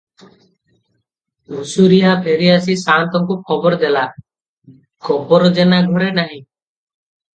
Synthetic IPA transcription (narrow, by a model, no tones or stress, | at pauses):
musuɾiɦapʰeɾiasisant̪ɔkukʰɔbɔɾd̪ela | kɔpɔɾɔd͡ʒenaɡʱɔɾenaɦĩ